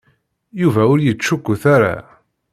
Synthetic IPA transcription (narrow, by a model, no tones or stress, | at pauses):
juvæʊɾjət͡st͡ʃːukːʊθaɾa̰